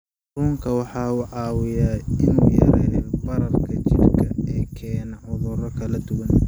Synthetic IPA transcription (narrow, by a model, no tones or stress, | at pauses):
ɾuːŋkʰɐwɑħɑːuːʕɑːwɪjaːɪnuːjɐ̰ɾɛjbɐɾɐrkʰɐt͡ʃɪrkʰɐɛːkʰɛːnɐʕʊðʊɾɐkʰɐlɐd̪ʊwɐn